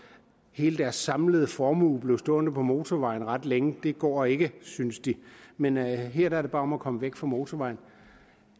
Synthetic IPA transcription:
he̝ːləd̥æɐsːɑ̈mləð̞̩ˠəfɒːmuːb̥le̝ʊsd̥ɔ̰̽ːnəpʰɒ̽mo̝ːt͡sʰɒʋɑ̈ɪn̩ʁɑ̈d̥leŋəd̥e̝ɡ̥ɒ̰ːe̝ɡ̥əsynsd̥imenɦɛɐ̰d̥ɑɐde̝b̥ɑ̈ːɒ̽mækʰɒ̽məʋeɡ̥fɑ̈mo̝ːt͡sʰɒʋɑ̈ɪn̩

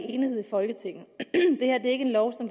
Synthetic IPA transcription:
e̝ːniheð̞̰ˠifɒ̽lɡ̥ət͡sʰe̝ŋ̰n̩d̥e̝he̝ɐ̰d̥e̝ɐe̝ɡ̥əe̝nlɒʊsɒ̽md̥

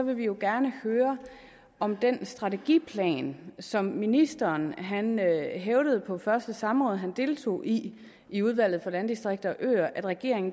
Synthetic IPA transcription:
ɒ̽ʋe̝ʋijo̝ɡ̥æɐnəhøːɐ | ɒ̽md̥ensd̥ʁɑ̈t͡sʰe̝ɡ̥ḭːpʰlɛ̰ːnsɒ̽mminisd̥ɐːnɦænøɦeʊɾ̥əð̞̩ˠpʰɒ̽fɶɐsd̥əsɑ̈mʁɔ̽ːð̞ˠɦænd̥e̝lt͡sʰo̝̰ːʔi | iuð̞ˠʋæl̰ð̩ˠfɒ̽lænd̥isd̥ʁeɡ̥̚d̥ɐɒʔø̰ːɐʔæd̥ʁaɡ̥e̝ɐe̝ŋn̩

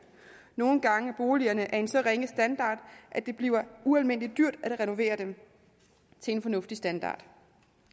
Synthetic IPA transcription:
no̝ːn̩ɡ̥ɑ̈ŋəb̥o̝ːliɐnəʔæɐe̝nsɒ̽ʁeŋəsd̥ænd̥ɑ̰̈ːd̥ʔæd̥e̝b̥liːʊɐuælme̝n̰lid̥yɐ̰d̥æd̥ʁɛno̝ʋe̝̰ːɐd̥em | t͡sʰe̝e̝nfɒ̽nɔ̽fd̥isd̥ænd̥ɑ̰̈ːd̥

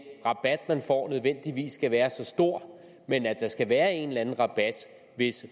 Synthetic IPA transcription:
ʁɑ̈b̥æd̥mænfɒ̰ːnøð̞ˠʋen̰d̥iʋḭːsːɡ̥æʋæːɐsɒ̽sd̥o̝ɐ̰ | menæd̥ɑ̈sɡ̥æʋæːɐe̝nlænn̩ʁɑ̈b̥æd̥ | ʋe̝s

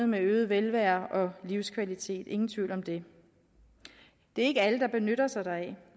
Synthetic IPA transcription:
ð̩ˠmeøːð̞̩ˠʋelʋæɐ̰ʔɒ̽liʊskʰʋælit͡sʰe̝̰ːd̥e̝ŋn̩t͡sʰʋḭʊ̰lɒ̽md̥e̝ | d̥e̝æɐe̝ɡəæləd̥ɑ̈b̥e̝nøɾ̥ɐsɑ̈ɪd̥ɑ̈ɛ

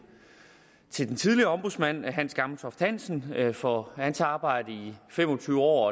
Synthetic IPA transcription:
t͡sʰe̝ld̥ent͡sʰið̞ˠliɐɒ̽mb̥osmæn̰ɦæn̰sɡ̥ɑ̈ml̩t͡sʰɒfd̥hæn̰sn̩fɒænsɑ̈ːb̥ɑ̈ɪ̰d̥əifem̰ɒ̽t͡sʰyːʊɒ̰ːɒ

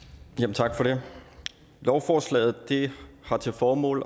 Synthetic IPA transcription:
jæmn̩t͡sʰɑɡ̥fɒɾ̥e̝ | lɒʊfɒːslɛ̰ːð̞̩ˠd̥ehɑ̈t͡sʰe̝lfɒːmɔ̰ːl

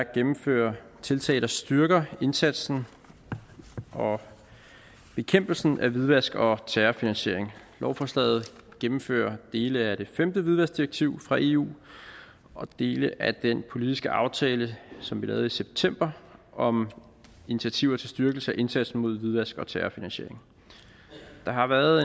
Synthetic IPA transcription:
æɡ̥emm̩fø̰ːɐt͡sʰe̝lt͡sʰɛ̰ːɪld̥ɐsd̥yɐɡ̥ɐe̝nsæd̥sn̩ | ʔɒ̽ | b̥e̝kʰem̰b̥l̩sn̩ʔæʋiðˠʋæsɡ̥ɒ̽t͡sʰæːɐfinænɕe̝ɐ̰eŋ | lɒʊfɒːslɛ̰ːð̞̩ˠɡ̥emm̩fø̰ːɐd̥e̝ːləæd̥e̝femd̥əʋiðˠʋæsd̥iɐeɡ̥̚t͡sʰiʊfʁɑ̈ʔe̝ṵː | ʔɒ̽d̥e̝ːləʔæd̥enpʰo̝lid̥isɡ̥əʔɑ̈ʊt͡sʰɛːləsɒ̽mʋilɛ̰ːð̞̩ˠiseb̥̚t͡sʰem̰b̥ɐɒ̽m | init͡sʰiæt͡sʰiʊɐt͡sʰe̝sd̥yɐɡ̥l̩səæʔe̝nsæd̥sn̩mo̝ð̞̰ˠʋið̞ˠʋæsɡ̥ɒ̽t͡sʰæːɐfinænɕe̝ɐ̰e̝ŋ | d̥ɑ̈ɦɑ̈ʋæɐðˠ

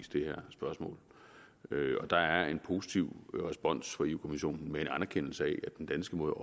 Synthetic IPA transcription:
sd̥e̝hæɐ̰sb̥ɶɐsmɔ̰̽ːl | øɒ̽d̥ɑ̈æɐe̝npʰo̝ːsit͡sʰiʊ̰ʁɛsb̥ɒ̽n̰sfɒ̈iukʰo̝miɕo̝̰ːnn̩mee̝nænæɐkʰen̰l̩səɛʔæd̥end̥ænsɡ̥əmoːðˠɒ

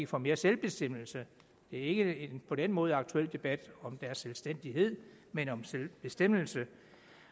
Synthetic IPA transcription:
əfɒ̽me̝ːɐselb̥e̝sd̥em̰l̩sə | d̥e̝æɐe̝ɡ̥əe̝npʰɒ̽d̥enmɔ̽ːð̞̩ˠɑ̈ɡ̥t͡sʰuel̰d̥e̝b̥æd̥ɒ̽md̥æɐsːelsd̥en̰d̥iɦe̝ð̰ˠ | menɒ̽mselb̥e̝sd̥em̰l̩sə

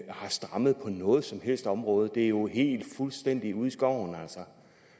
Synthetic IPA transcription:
hɑ̈sd̥ʁɑ̈məð̞̩ˠpʰɒ̽nɔ̽ːð̞̩ˠsɒ̽mhel̰sd̥ɒ̽mʁɔːð̞̩ˠd̥e̝æɐjo̝ɦe̝̰ːld̥fulsd̥en̰d̥iuð̞ˠisɡ̥ɒ̰ʊ̰næl̰sɒ

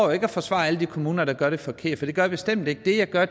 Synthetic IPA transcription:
ʊje̝ɡ̥əæfɒ̽sʋɑ̰̈ːæləd̥ikʰo̝muːnɐɾ̥ɑ̈ɡ̥ɶɐɾefɒ̽kʰe̝ɐ̰d̥fɒd̥e̝ɡ̥ɶɐjɑbe̝sd̥em̰d̥e̝ɡ̥əd̥e̝jɑ̈ɡ̥ɶɐ

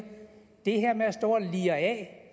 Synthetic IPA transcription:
d̥e̝heɐ̰mesd̥o̝ɐ̰liɐɛ

